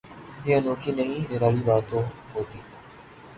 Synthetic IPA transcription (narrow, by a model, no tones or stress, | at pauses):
ɪːãnoːkʰiːnəɦĩːneːɾaːliːʋaːt̪oːɦoːt̪iː